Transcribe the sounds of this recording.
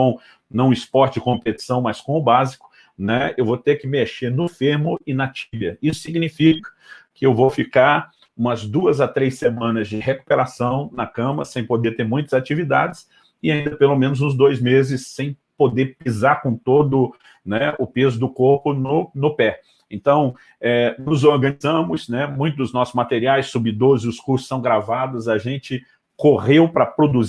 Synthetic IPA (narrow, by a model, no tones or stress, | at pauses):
kõw̃ | nɐ̃w̃ɪspɔɾt͡ʃɪɪkõpet͡ʃi̥sɐ̃w̃mɐskõʊbazikʊ̥ | nɛewvot̪ekɪmeʃeɾnʊfeɾmʊɪnɐt͡ʃibjɐisʊ̥siɡnifikɐ̥kɪewvofikaɾ | ũmɐzd̪uɐzat̪ɾejsemɐ̃nɐzd͡ʒɪheku̥peɾasɐ̃w̃nɐkɐ̃mɐɐsẽj̃pod̪eɾt̪eɾmũj̃t̪ɐzat͡ʃivid̪a̰d͡ʒɪs | ɪaĩnd̪ɐpelomẽnʊzũzd̪ojzmezɪsːẽj̃ | pod̪eɾpizaɾkõt̪od̪ʊ | nɛʊpezʊd̪ʊkoɾpʊnʊnʊpɛ | ẽnt̪ɐ̃w̃ | ɛnʊzoɾɡɐ̃nizɐ̃mʊsnɛmũj̃t̪ʊd̪ʊznɔsʊzmat̪eɾiajsːubid̪oɾɪzɪʊskuɾsʊ̥sːɐ̃w̃ɡɾavad̪ʊzɐʒẽnt͡ʃɪ | koʁewpɾɐpɾod̪uz